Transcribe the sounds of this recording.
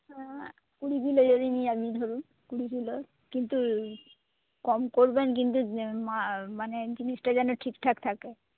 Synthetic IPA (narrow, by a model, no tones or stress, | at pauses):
kuɹibilojɔɹiniamid̪ʱoɹun | kuɹibilɔ | kint̪u | kɔmkoɹbɛnk̬int̪umamanɛd͡ʒinistazanɔʈʰikt̪ʰakt̪ʰakɛ